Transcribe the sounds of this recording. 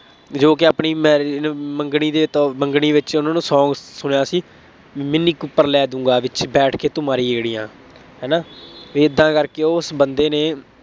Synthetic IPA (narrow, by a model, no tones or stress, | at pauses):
d͡ʒoːk̬ɪaːpɳiːmɛːməŋɡɳ̃iːd̪eːt̪ːməŋɡɽiːʋɪt͡ʃʊnãːnũːsɔ̃ːɡsʊɽjaːsiː | mɪniːkʊpːəɾlɛːd̪ũːŋɡaːʋɪt͡ʃbɛːʈʰkeːt̪ʊmaːɾiːeːɽiːjãː | ɦɛːnaːʋiːɪd̪ːãːkəɾkeːosbənd̪eːneː